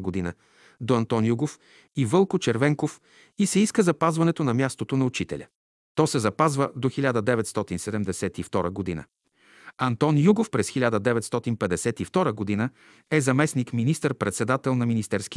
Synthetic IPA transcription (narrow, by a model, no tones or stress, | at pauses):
ɡod̪inə | d̪oɐnt̪ɔnjuɡof | ivɤlˠkot͡ʃɛɾvɛŋkof | isɛiskəzɐpazvɐnɛt̪onɐmʲjast̪ot̪onɐʊt͡ʃit̪ɛ̰lʲə̰ | t̪ɔsɛzɐpazvəd̪oxilʲad̪əd̪ɛvɛt̪st̪ɔt̪insɛd̪ɛmd̪ɛsɛt̪ift̪ɔɾəɡod̪inə̰ | ɐnt̪ɔnjuɡofpɾɛsxilʲad̪əd̪ɛvɛt̪st̪ɔt̪inpɛd̪ɛsɛt̪ift̪ɔɾəɡod̪inə | ɛzɐmɛsnikminist̪əɾpɾɛt̪sɛd̪at̪ɛlˠnɐminist̪ɛɾskʲi